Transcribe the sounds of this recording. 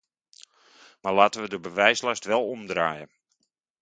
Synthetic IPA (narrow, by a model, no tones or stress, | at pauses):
malaːtəʋədəbəʋɛjslastʋɛlˠɔmdraːjə̰